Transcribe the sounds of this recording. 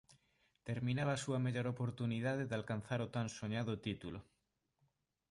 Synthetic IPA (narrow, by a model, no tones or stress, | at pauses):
t̪eɾmĩnaβaːsuameʎoɾopoɾt̪uniðaðeðalkan̟θaɾot̪ansoɲaðot̪it̪ulo